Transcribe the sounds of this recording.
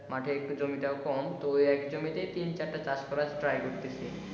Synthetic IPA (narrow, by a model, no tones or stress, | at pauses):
maʈʰekd͡ʑomit̪aokɔmt̪ojɛkd͡ʑomit̪et̪int͡ɕaɾʈat͡ɕaʃkɔɾad͡ʑʈɾajkoɾt̪et͡ɕʰi